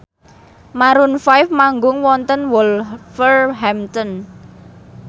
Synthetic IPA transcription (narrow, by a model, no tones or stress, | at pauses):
maɾunfajfmaŋɡʊŋwɔnt̪ənwɔlfərɦɛmt̪ɔn